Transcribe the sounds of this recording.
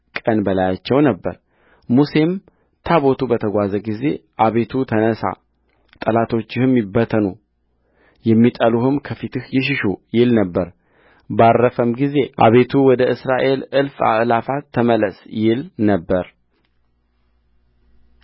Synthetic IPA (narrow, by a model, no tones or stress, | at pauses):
kʼənbəlajat͡ʃːɛwnəbːə̰ɾ | muse̞m | t̪ʰaβo̞t̪ʰubət̪ʰəɡʷazəɡize̞ʔaβe̞t̪ʰut̪ʰənəsa̰ | t̪ʼəlat̪ʰo̞t͡ʃːɪhɨmjɪbːət̪ʰənu | jɛmːit̪ʼəluhɨmkʰəfit̪ʰɨhjɪʃ̬ɪʃujɪlnəbːəɾ | barːəfəmɡize̞ʔa̰βe̞t̪ʰuwɔd̪əʔɨsɾaʔe̞lɨlfa̰ʔlafat̪ʰːəmələsjɪlnəbːəɾ